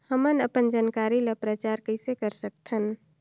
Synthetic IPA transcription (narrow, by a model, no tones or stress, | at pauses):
həmənəpənd͡ʒaːnkaɾilepɾət͡ʃaɾkəɪsekəɾsək̚t̪ʰən